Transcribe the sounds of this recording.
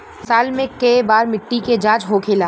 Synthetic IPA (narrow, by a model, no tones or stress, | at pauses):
saːlmẽkɐebaːɾmɪʈːiked͡ʒãːd͡ʒɦokʰeːlaː